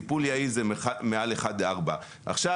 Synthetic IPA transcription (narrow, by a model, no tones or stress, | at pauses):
ipuljaizemealeχad̪leaʁba | ʔa̰χʃa